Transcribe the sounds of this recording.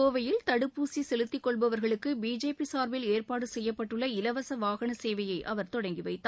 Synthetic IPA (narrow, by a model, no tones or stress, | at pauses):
oːʋɐjɪlt̪ɐɽɯpːuːsisɛlɯt̪ːɪkːɔɭbɐʋɐɾɣɐɭɯkːɯbiːd͡ʒeːpisaːɾʋɪleːrpaːɽɯsɛjːɐpːɐʈːɯɭːɐɪlɐʋɐsɐʋaːɣɐɳɐseːʋɐjɐɪʔɐʋɐɾt̪ɔɽɐŋɡɪʋɐɪt̪ː